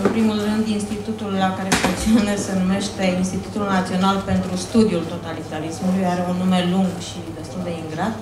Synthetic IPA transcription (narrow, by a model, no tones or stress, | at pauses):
ɨnpɾimulrɨnd̪inst̪it̪ut̪ulːakaɾe̞fuŋt̪sionesenume̞ʃt̪e̞inst̪it̪ut̪ulnat̪sio̞nalpe̞nt̪ɾust̪ud̪iult̪o̞t̪alit̪aɾismulujaɾe̞unume̞luŋɡʃid̪e̞st̪uld̪e̞iŋɡɾat̪